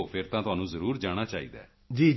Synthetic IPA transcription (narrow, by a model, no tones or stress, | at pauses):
opʰɪɾt̪ãːt̪ʊɦaːnũːzəɾuːɾd͡ʒaːɽ̃aːt͡ʃaːḭːd̪a̰ː | d͡ʒiː